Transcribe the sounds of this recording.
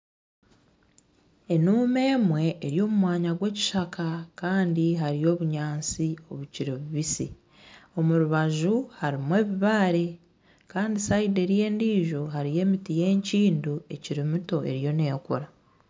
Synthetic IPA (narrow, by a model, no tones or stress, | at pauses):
e̞nuːme̞ːmwe̞ːɾjo̞ːmumwaːɲaɡwe̞ːci̥ʃakʰakaːndiɦaɾijo̞ːβuɲaːnt͡sio̞βuciɾeβuβisḭ | o̞muɾuβaʒuhaɾimwe̞ːβiβaːɾe̞ | kaːndisaide̞ɾje̞ːndiːʒo̞ɦaɾije̞ːmitije̞ːɲciːndue̞̰ciɾimuto̞e̞̰ɾjo̞ne̞ːkuɾa